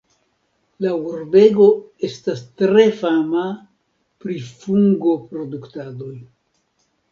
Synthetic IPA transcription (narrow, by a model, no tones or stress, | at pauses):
lauɾbe̞ɡo̞e̞stastɾe̞fama | pɾifuŋɡo̞pɾo̞duktado̞j